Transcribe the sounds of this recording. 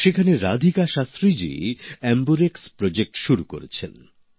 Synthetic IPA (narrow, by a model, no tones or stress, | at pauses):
ʃekʰaneɾad̪ʱikaʃast̪ɾid͡ʑḛɛmbuɾekspɾod͡ʑek̚ʈʃuɾuko̰ɾet͡ɕʰen